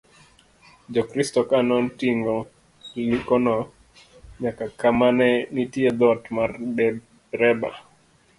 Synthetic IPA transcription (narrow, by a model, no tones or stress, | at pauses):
d͡ʒɔkɾistɔkanɔntiŋɡɔ | likɔnɔ | ɲakakamanɛnitiɛd̪ɔtmaɾbɛ | ɾɛba̰